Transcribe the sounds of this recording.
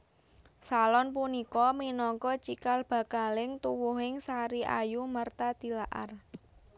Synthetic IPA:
salɔnpunikɔminɔŋkɔt͡ʃikalb̥ä̤kalɪŋt̪uwʊɦɪŋsaɾiʔa̰jumərt̪ad̪̥i̤laʔa̰r

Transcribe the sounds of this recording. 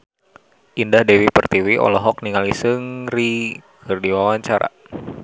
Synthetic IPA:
ʔindahdewipərt̪iwiʔɔ̰lɔɦɔk̚niŋalisɨŋrikʰɨrdiwawaɲt͡ʃaɾa̰

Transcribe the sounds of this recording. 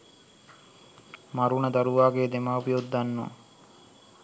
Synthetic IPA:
maɾunəd̪aɾuʋaːɡeːd̪emaːupijot̪d̪anːo̰

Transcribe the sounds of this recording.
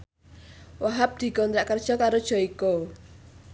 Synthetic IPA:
waɦap̚d̪̥i̤kɔnt̪ɾaʔkərd̥ʒ̥ɔ̤kaɾod̥ʒ̥ɔ̤iko

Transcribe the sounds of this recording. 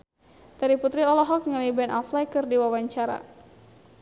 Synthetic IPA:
t̪aɾiput̪ɾiɔlɔɦɔk̚ŋalibɛnʔaflajkɨrdiwawaɲt͡ʃaɾa̰

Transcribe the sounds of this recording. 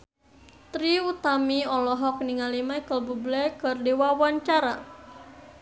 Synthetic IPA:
t̪ɾiut̪amiɔlɔɦɔk̚niŋalimajkəlbublɛkərdewawaɲt͡ʃaɾa

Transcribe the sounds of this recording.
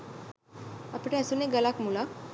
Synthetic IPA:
apɽasuneɡəlakmula

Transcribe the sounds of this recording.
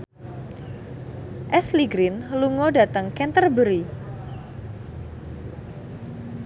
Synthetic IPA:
ʔɛsliɡɾinluŋodat̪əŋkɛnt̪ərbəɾi

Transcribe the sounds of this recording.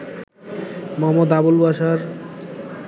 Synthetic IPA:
moɦamːod̪abolbaʃaɾ

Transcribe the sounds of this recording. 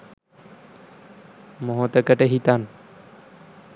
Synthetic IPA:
moɦot̪ɐkɐʈeɦit̪an

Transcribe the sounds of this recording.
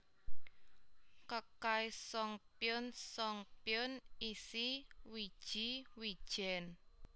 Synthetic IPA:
kəkajsɔŋpjʊnsɔŋpjʊnisiwid̥ʒ̥iwid̥ʒ̥ɛn

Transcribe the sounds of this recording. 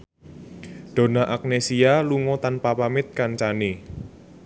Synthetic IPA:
d̪̥o̤naʔak̚nesialuŋɔt̪anpapamɪt̪̚kant͡ʃani

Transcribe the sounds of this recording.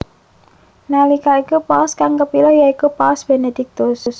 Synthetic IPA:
nalikaikupaskaŋkəpilɔjaikupasb̥ened̪̥ɪk̚t̪uss

